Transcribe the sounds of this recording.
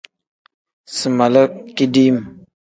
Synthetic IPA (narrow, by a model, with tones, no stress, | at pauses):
sə˨ma˨lə˦ki˦di˦m˨